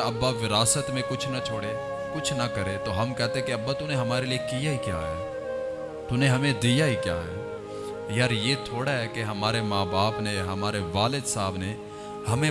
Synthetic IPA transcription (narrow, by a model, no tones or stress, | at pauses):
ɐbːaʋɪɾaːsət̪mẽkʊt͡ʃʰnɐt͡ʃʰoːɽe | kʊt͡ʃʰnɐkɐɾet̪oɦɐmkɛɦt̪ẽɦɛ̃keɐbːat̪ʊneɦɐmaːɾeliekijaɦikja̰ːɦɛ̰ː | t̪ʊnẽɦɐmẽd̪ijaɦikja̰ːɦɛː | jaːɾjet̪ʰoːɽaɦɛkeɦɐmaːɾemaːbaːpneɦɐmaːɾeʋaːlɪd̪saːbne | hɐmẽ